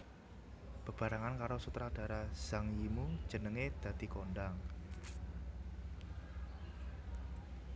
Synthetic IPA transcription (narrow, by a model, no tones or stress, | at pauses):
b̥ə̤b̥a̤ɾaŋankaɾosut̪ɾad̥a̤ɾaz̥aŋjimu̥d͡ʒ̥ə̤nəŋed̪̥ä̤d̪̥i̤konɖaŋ